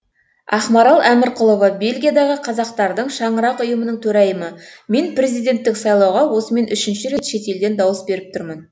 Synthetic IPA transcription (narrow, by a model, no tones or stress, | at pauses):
ɑ̰χmɑɾɑlˠʔæmɪɾqʰʊlˠovɑbe̞lɡʲijad̪ɑʁəqʰɑzɑq̚t̪ɑɾd̪əɴʃɑɴəɾɑqʊjəmənəɴt̪ʰɵɾæjəməme̞npre̞zijd̪ʲe̞nt̪ːɪksɑjlˠɑwʁɑwo̞səme̞nʔʏʃɪnʃɪɾe̞t̪ʃe̞t̪e̞ld̪e̞nd̪ɑwəsbe̞ɾɪp̚t̪ʰʊɾmən